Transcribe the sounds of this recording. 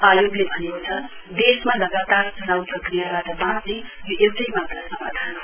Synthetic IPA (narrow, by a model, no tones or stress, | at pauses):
ajoɡlebʱʌnekot͡sʰʌ | d̪esmalʌɡat̪arsʌnawprʌkrijabaʈʌbãt͡snejoʔewʈʌjmat̪rasʌma̰d̪ʱan